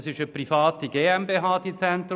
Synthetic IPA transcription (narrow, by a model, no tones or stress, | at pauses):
sɪʃəprifɑːt̪iɡ̥eːɛmbeːɦɑːd̥̪it͡sɛnt̪ɾ